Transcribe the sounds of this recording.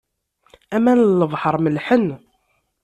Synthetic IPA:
æmænlːəvˤħəɾˤməlħən

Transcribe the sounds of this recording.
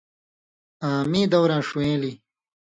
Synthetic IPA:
ãːmĩːd̪ɐwɾãːʂuwẽːli

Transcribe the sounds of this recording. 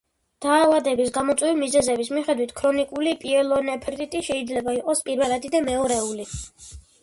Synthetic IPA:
d̪̥aːvad̪ɛbisɡamɔt̪sʼwɛvimizɛzɛbismiχɛd̪wit̪ʰkʰɾɔnikʼulipʼiɛlˠɔnɛpʰɛɾt̪ʼit̪ʼiʃɛid̪zlɛbaiqʼɔspʼiɾvɛlˠad̪id̪amɛɔɾɛuli

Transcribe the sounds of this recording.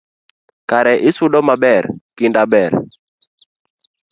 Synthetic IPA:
kaɾɛʔɪsʊdɔmabɛrkɪndabɛr

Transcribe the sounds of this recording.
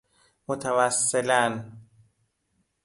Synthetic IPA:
mot̪ʰævæsːelæn

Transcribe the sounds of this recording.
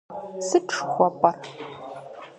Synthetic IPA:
sɨʈ͡ʂʰxʷɔpʼɐr

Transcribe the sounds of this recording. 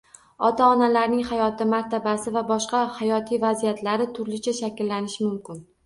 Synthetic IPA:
ɒt̪ʰaɒnalaɾnɪŋhajɒt̪ʰɪmaɾt̪ʰabasɪvabɒʃqɑhajɒt̪ʰijvazijat̪ʰlaɾɪt̪ʰʊɾlɪt͡ʃʰaʃakʲlːanɪʃɪmʊmkʲɪn

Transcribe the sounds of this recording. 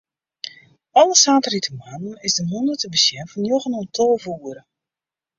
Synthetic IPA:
ɑləsaːtəritəmann̩ɪzdəɦɔndərstəbəsjɛnfɔnjoɣənɔntʰɔlˠvuːəɾə

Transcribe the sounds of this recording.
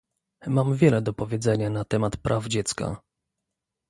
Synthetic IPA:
mamvʲjɛlɛd̪ɔpɔvʲjɛd̪zɛɲanat̪ɛmat̪pɾʔavd͡ʑɛt̪ska̰

